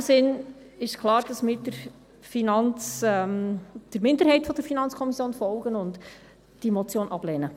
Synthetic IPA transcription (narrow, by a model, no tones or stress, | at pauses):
sɪn | ɪʃkʰlˠɑːɾd̥ɑsmidəɾ | finɑnt͡sɛmd̥əɾmɪndəɾhɛɪtfɔd̥əɾfinɑnt͡skʰɔmisjoːnfɔlˠɡənʊnd | d̥imot͡sjoːnʔɑb̥lɛːnə